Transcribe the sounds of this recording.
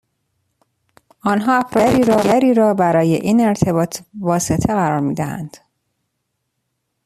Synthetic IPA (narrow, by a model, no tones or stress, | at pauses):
ʔɒːnɦɒːæfɾɒɾiːɾɒːɡæɾiːɾɒːbæɾɒːje̞ʔiːne̞ɾt̪ʰe̞bɒːt̪ʰvɒːse̞t̪ʰeɣæɾɒːɾmiːd̪æhæ̰nd̪̥